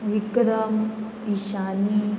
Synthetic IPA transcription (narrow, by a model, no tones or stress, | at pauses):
ʋikːɐd̪aːm | iʃaːni